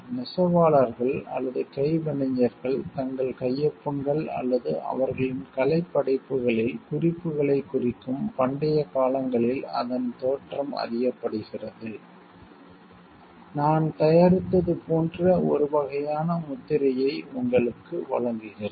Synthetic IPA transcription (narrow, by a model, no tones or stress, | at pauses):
nɪsɐʋaːɭɐɾɣɐɭɐ̰lːɐðɯkɐɪʋɐɳɐɲːɐɾɣɐɭt̪ɐŋɡɐɭkɐjːɐpːɯŋɡɐɭɐ̰lːɐðɯʔɐ̰ʋɐɾɣɐɭɪnkɐlɐɪpːɐɽɐɪpːɯɣɐɭɪlkʊrɪpːɯɣɐɭɐɪkːʊrɪkːɯmpɐɳɖɐjɐkaːlɐŋɡɐɭɪlɐ̰ðɐnt̪oːʈrɐmɐ̰rɪjɐpːɐɽɯɣɪrɐðɯ | naːnt̪ɐjaːɾɪt̪ːɐðɯpoːndrɐɔ̰ɾɯʋɐɣɐjaːnɐmʊt̪ːɪɾɐjɐɪʊŋɡɐɭɯkːɯʋɐ̰ɭɐŋɡɪɣɪɾ